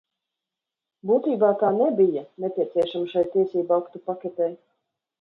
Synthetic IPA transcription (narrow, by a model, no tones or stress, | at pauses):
buːt̪iːbaːkaːnɛbijanepʲiɛt̪sʲiɛʃamʃajt̪iɛsʲiːbuakt̪upakʲɛt̪ʲɛj